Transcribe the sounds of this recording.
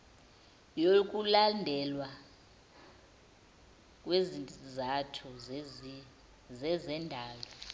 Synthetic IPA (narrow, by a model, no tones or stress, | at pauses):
jok̬ʼulandʱɛlwa | k̬ʼwezizatʰu | zɛzɛndʱaːlɔ